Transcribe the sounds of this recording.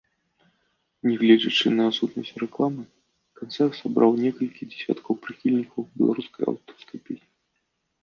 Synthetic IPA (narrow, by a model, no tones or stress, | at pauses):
nʲɛɣlʲɛd͡zʲɐt͡ʂɨnɐːt̪sut̪nɐsʲt͡sʲrɛklˠamɨ | kant̪sɛrt̪sabɾʔawnʲɛkɐlʲkʲid͡zʲɛ̥sʲa̰t̪kʰɐwpɾɨxʲilʲnʲikɐwbʲɛlˠa̰ɾuskɐja̰wt̪ɔ̥skɐjpʲesʲnʲi